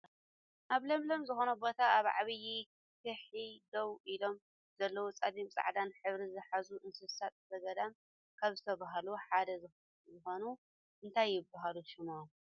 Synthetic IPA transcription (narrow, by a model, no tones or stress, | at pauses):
ʔaβlɐmlɐmzɨxo̞nɐbo̞t̪ʰaːβʕaβɨji | kʰɨħid̪owilo̞m | zɐlːɐwot͡sʼad̪imt͡sʼa̰ʕd̪anħɨβɾizɨħazuʔɨnsɨsat̪ʼzɐɡɐd̪am | kʰaβzɨt̪ʰɐβaɦaluħad̪ɐzɨ | zɨxo̞nu | ʔɨnt̪ʰajːɪbːaɦaluʃɪmo